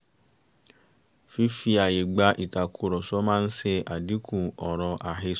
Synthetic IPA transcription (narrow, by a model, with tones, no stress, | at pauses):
fi˦fi˧a˨je˨ɡ͡ba˦ʔi˨ta˨kʰu˨˦ɾɔ˨sɔ˦mãː˦n̩˦se˧ʔa˨di˨˦kũ˦˨ɔ˨ɾɔ̃˧ʔa˨ɦe˧